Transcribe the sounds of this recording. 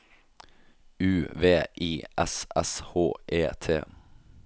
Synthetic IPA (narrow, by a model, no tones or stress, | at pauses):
ʉːʋeːʔiːɛsɛshoːʔeːt̪ʰeː